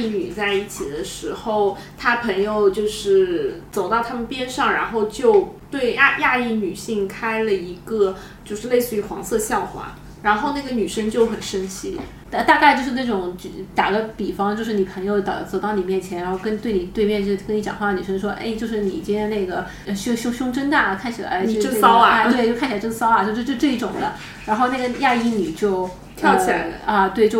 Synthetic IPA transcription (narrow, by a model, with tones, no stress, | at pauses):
ny˨˩t͡sa˥˧ɪi˥˩t͡ɕʰi˨˩d̪ə˦ʂɻ̩˧˥xo˥˧˩ʊ | t̪ʰa˥pʰɤ˧˥ŋjo˧ʊt͡ɕjo˥˧ʊʂɻ̩˥˩t͡so˨˩ʊt̪ɑ˥˩ʊt̪ʰa˥mə˨npjɛ˥nʂɑ˥˩ŋɻa˧˥nxo˥˧ʊt͡ɕjo˥˧ʊt̪we˥˧ɪa˥˧ja˥˧i˥˩ny˨˩ɕi˥˩ŋkʰa˥ɪlə˨i˧˥ɡə˧ | t͡ɕjo˥˧ʊʂɻ̩˥˧le˥˧ɪsɹ̩˥˩y˧˥xwɑ˧˥ŋsɤ˥˧ɕjɑ˥˩ʊxwa̰˧˥ | ɻa˧˥nxo˥˧ʊna˥˩ɡə˩ny˨˩ʂə˥ŋt͡ɕjo˥˩ʊxə˨˩nʂə˥nt͡ɕʰi˥ | ə˧˩t̪a˥˧ka˥˧ɪt͡ɕjo˥˧ʊʂɻ̩˥˧na˥˩ʈ͡ʂʊ˨˩˦ŋt͡ɕt̪a˨˩ɡə˦pi˨˩fɑ˥ŋt͡ɕjo˥˧ʊʂ̬ɻ̩˥˩ni˨˩pʰɤ˧˥ŋjo˧t̪ɑ̰˨˩t͡so˨˩ʊt̪ɑ˥˩ʊni˨˩mjɛ˥˩nt͡ɕʰjɛ˧˥nɻa˧˥xʊkə˥nt̪we˥˩ɪni˨˩t̪we˥˧ɪmjɛ˥˧n˥˩kə˥ni˧˥t͡ɕjɑ̰˨˩ŋxwa˥˩ə˩ny˨˩ʂə˥nʂwɔ˥ʔḛ˥˧ɪt͡ɕjo˥˧ʊʂɻ̩˥˩ni˨˩t͡ɕi˥˧ne˥˩ɡə˩˧˩ | ɕʊ˥ɕʊ˥ŋɕʊ˥ŋʈ͡ʂə˥nt̪a˥˩kʰa˥˩nt͡ɕʰi˨˩la̰˧˥ɪ˥˧ə˥˧˥sɑ˥ʊ˧˥˩t̪we˥˩ɪt͡ɕo˥˧kʰa˥˩t͡ɕʰi˩˨˧ʈ͡ʂɡsɑ˥ʊa˨˩t͡ɕjo˥˧ʊʂʈ͡ʂɤ˥˧i˥˩ʈ͡ʂʊ˨˩ŋd̪ə˦ | ɻa˧˥nxo˥˧ʊna˥˩ɡə˩ja˥˧i˥˩ni˨˩t͡ɕjo˥˧ʊ | jɑ˥˧ʊ˧t͡ɕʰla˧ɪɐ˧t̪we˥˧ɪt͡ɕjo˥˧